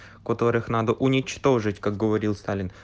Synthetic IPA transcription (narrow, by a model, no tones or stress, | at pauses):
kɐt̪o̞ɾɨxnad̪əʔʊnʲɪt͡ɕt̪o̞ʐɨtʲkaɡɡəvɐɾʲilˠst̪alʲɪn